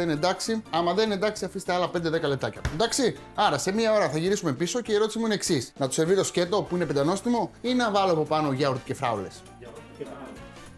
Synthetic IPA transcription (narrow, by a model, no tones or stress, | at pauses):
ene̞nd̪ɐksiɐmɐðe̞nend̪ɐksiɐfist̪eɐlɐpe̞nd̪eðe̞kɐle̞p̚t̪ɐcɐend̪ɐksi | ɐɾɐse̞miɐo̞ɾɐθɐʝiɾisume̞piso̞ceieɾo̞t̪isimuineeksisnɐt̪u̥se̞ɾvit̪o̞sce̞t̪o̞puine̞pend̪ɐno̞st̪imo̞inɐvɐloɐpo̞pɐno̞ʝɐoɾt̪ce̞fɾɐ̰ole̞̰s